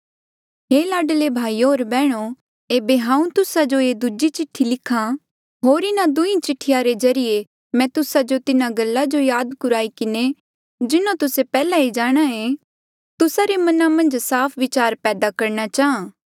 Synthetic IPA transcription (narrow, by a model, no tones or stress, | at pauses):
ɦeːlaːɖlebʱaːiɦoːɾbɛːɽ̃o | eːbeɦãːũt̪ʊsad͡ʒoeːd̪ʊd͡ʒit͡ʃɪʈʰːilɪkʰːã | ɦoːɾɪnad̪ʊĩt͡ʃɪʈʰːɪjaɾezɐɾɪje | mɛ̃t̪ʊsad͡ʒot̪ɪnaɡɐlːad͡ʒojaːd̪kʊɾaːikɪne | d͡ʒɪnõt̪ʊsepɛːlaid͡ʒaːɽ̃aẽ | t̪ʊsaɾemɐnamɐ̃nd͡ʒsaːpʰʋɪt͡ʃaːɾpɛːd̪akɐɾñat͡ʃaːɦãː